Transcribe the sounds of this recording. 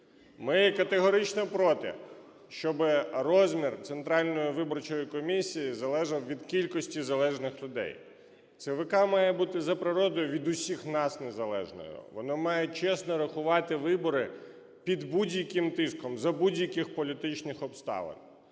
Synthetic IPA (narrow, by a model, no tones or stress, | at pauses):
mɪjɛkɐt̪eɦɔɾɪt͡ʃnɐpɾɔt̪ɪ̰ | ʃt͡ʃɔbɪrɔzʲmʲirt̪sent̪ɾɑlʲnɔjʊʋɪbɔrt͡ʃɔjikɔmʲisʲijizɐlˠɛʒɐwʋʲid̪kʲilʲkɔsʲtʲizɐlˠɛʒnɪxlʲʊd̪ɛ̰j | t̪sɪʋɪkɑmɑjɛbut̪ɪzɐpɾɪɾɔd̪ɔjʊʋʲid̪ʊsʲixnɑsnezɐlˠɛ̰ʒnɔ̰jʊ̰ʋɔnɔmɑjet͡ʃɛsnɔɾɐxʊʋɑt̪ɪʋɪbɔɾɪ | pʲid̪budʲjɐkɪmt̪ɪskɔmzɐbudʲjɐkɪxpɔlʲit̪ɪt͡ʃnɪxɔpst̪ɑ̰ʋɐ̰n